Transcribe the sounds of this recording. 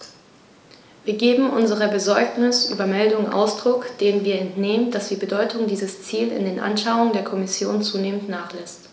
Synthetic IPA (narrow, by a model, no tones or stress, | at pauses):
viːɐɡeːbm̩ʔʊnzəʁəbəzɔɐknɪsʔy̰ːbɐmɛldʊŋəʔa̰ʊsd̥ʁ̥ʊkd̥eːənviːɐɛntneːmənd̥asd̥iːbədɔʏtʊŋdiːzəst͡siːlɪ̰ndeːnʔa̰nʃaʊʊŋəndeːɐkʰɔmɪsjoːnt͡suːneːməntnaːχlɛst